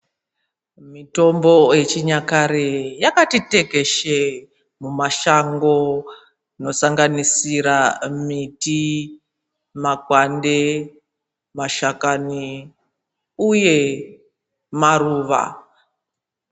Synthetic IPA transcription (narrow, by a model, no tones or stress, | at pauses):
mito̞mbo̞et͡ʃiɲakaɾejakatite̞ke̞ʃe | mumaʃaŋɡo̞ | no̞saŋɡanisiɾamiti | makwande | maʃakani | uje̞ | maruːʋa̰